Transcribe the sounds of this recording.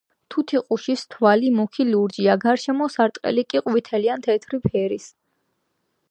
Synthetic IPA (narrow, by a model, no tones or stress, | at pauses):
t̪ʰut̪ʰiqʼuʃist̪ʰvalimɔkʰiluɾd͡ʒiaɡaɾʃɛmɔsaɾt̪ʼqʼɛ̰likʼiqʼwit̪ʰɛliant̪ʰɛt̪ʰɾipʰɛɾis